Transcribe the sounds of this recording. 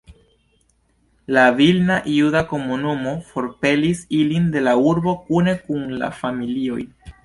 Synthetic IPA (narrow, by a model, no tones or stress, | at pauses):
lavilnaʔiudako̞munumo̞fo̞ɾpe̞lisilinde̞lauɾbo̞kune̞kunla̰familio̞̰j